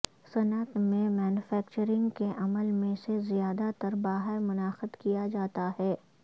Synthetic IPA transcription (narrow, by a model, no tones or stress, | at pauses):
sɐnət̪mẽmɛːnʊfɛːkt͡ʃəɾɪ̃ŋɡkeʔɐməlmẽsezijaːd̪at̪əɾbaːɦəɾmʊnaːxəd̪kijad͡ʒaːt̪aɦɛː